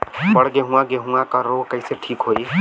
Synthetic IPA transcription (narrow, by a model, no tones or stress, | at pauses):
pəɽɡeɦũãɡeɦũãkəɾokəjseʈʰiːkɦoi